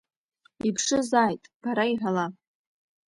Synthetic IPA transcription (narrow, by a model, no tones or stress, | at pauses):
ipʰʂɨzaːjtʼb̥aɾaiħala